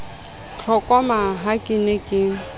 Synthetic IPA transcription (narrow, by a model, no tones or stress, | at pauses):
t͡ɬʰɔkʼamaɦakʼɪnekʼɪ